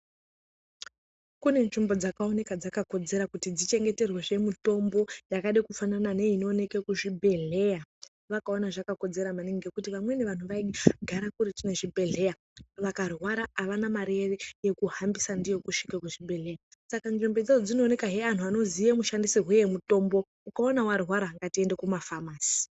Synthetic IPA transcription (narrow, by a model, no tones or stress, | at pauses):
kune̞nʐimbo̞d͡zakao̞ne̞kad͡zakako̞d͡ze̞ɾakutid͡zit͡ʃe̞ŋɡe̞te̞rweʐe̞muto̞mbo̞jakaɗekufananane̞ino̞ne̞kekuʐibʱe̞ɮe̞ja | ʋakao̞naʐakako̞d͡ze̞ɾamaneŋɡe̞kutiʋamwe̞ne̞ʋan̤uʋaiɡʱaɾakuɾitine̞ʐibʱe̞ɮe̞ja | ʋakarwaɾaːʋanamaɾereje̞kuhambisandije̞kuʃikakuʐibʱe̞lejasakanʐembed͡zad͡zod͡zino̞ːne̞kaɦean̤uano̞zijemuʃandisiɦwejemuto̞mbo̞ | ukaonawarwaɾaːŋɡatie̞nde̞kumafamaːsi̥